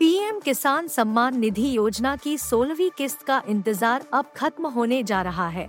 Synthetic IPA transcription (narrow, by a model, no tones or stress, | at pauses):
piːɛmkɪsaːnsɐmːaːnːɪd̪ʱijoːd͡ʒnakisoːlʋikɪst̪kaʔɪ̃nt̪ɪzaːɾɐb̚xɐt̪mɦoːned͡ʒaːɾɐɦaɦɛ̰ː